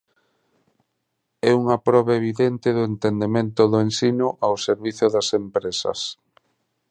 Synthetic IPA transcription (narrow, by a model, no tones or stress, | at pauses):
ɛuŋɐpɾɔβaeβiðent̪ɪðʊent̪end̪emẽnt̪ʊðʊensinʊʔawseɾβiθʊðɐsempɾesɐ̰s